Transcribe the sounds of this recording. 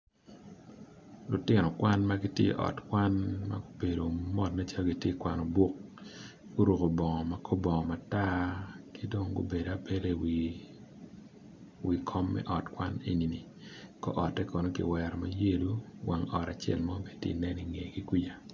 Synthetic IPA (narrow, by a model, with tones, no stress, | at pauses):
lʊ˨tɪ˦nɔ˨kwa˦nma˦ɡi˦tjḛ˦ʔɔ̰˨tkwa˦nma̰˦ɡo˦be˨do˨mɔ˦tna˦t͡ʃa˦lɡi˨tje˦kwa˨nɔ˨bu˦k̚ | ɡo˦ɾu˨ko˨bɔ˨ŋɔ˨ma˨kʰo˦bɔ˨ŋɔ˨ma˨ta˦ki˦do˦ŋɡo˦be˨da˨pe˦le˦w | wi˨kʰɔ˦mːɛ̰˦ʔɔ˨tkwa˦ne˦ni˨ni˨ | kɔ̰˦ʔɔ˨tːɛ˦ko˨no˦kḭ˨wɛ˨ɾɔ˨ma˦je˦du˦wa̰˨ŋɔ˨ɾa˨t͡ʃɛ̰˦˨lma˦me˨tjḛ˨nɛ˦ni˨ŋe˨ɡi˦kwi˦ja˨